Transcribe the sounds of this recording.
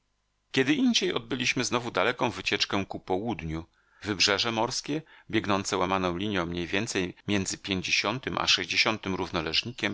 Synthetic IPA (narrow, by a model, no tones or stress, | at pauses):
kʲɛd̪ɘʔiɲd͡ʑejɔd̪̚bɘlʲiɕmɘznɔvud̪alɛkɔ̃w̃vɘt͡ɕɛt͡ʂkɛ̃kupɔwud̪ɲu | vɘbʐɛʐɛmɔɾskʲɛbʲjɛɡnɔnt̪sɛwamanɔ̃w̃lʲiɲjɔ̃w̃mɲejvʲjɛnt̪sɛjmʲjɛnd̪zɘpʲjeɲd͡ʑeɕɔnt̪ɘmʔa̰ʂɛʑd͡ʑeɕɔnt̪ɘmɾuvnɔlɛʐɲikʲɛm